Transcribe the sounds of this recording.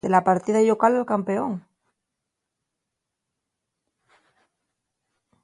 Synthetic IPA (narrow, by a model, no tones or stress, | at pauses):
elapaɾt̪iðaiʎokalalkampeoŋ